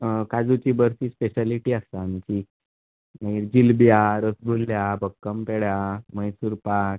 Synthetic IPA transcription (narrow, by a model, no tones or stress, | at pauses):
kad͡zut͡ɕiːbəɾsiːspeɕaliʈiːast̪aːmt͡ɕi | mãiɾd͡ʑilbjaɾəsbʱulːjabəkːəmpeɽjaməjsuɾpak̚